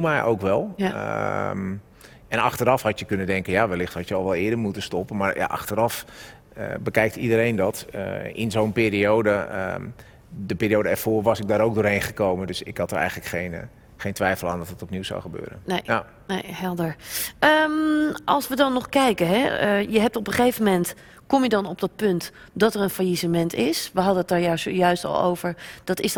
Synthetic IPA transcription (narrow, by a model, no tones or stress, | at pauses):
mɛjʔo̰wkʋɛlˠ | m | ɛnɑ̰xtəɾɑfhɑtjəkønəndɛŋkənjaʋɛlɪxthɑtjəɔlˠʋɛlˠɪədəɹmutəstɔpənmaɹja̰ʔɑ̰xtəɾɑf | əbəkɛjk̚tidəɾejndɔtʔɪnzownpeːɾiowdə̰ | dəpɪːɾijowdəɛrfoːrʋɑsɪɡ̚daːɾowk̚ɡdoːɹɦejnχəkowməndøsɪ̰khɑtərɛ̰jɣənləkχejn | χejntʋɛjfəlˠa̰ːndɔtətɔpniwza̰wχəbø̰ːɾə̰nne | nejɦɛlˠdəɹəmʔɑ̰lˠsʋədɑnːɔχkɛjkəɦɛjəɦɛp̚tɔpəχejvəmɛnt | kɔmjədɑnɔb̚dɑt̚pɵnt | dɑtəɹənfajisəmɛntɪsʋəɦɑdənətaːɹjasjœɥstɔ̰lˠo̰wvəɹd̥ɔtɪs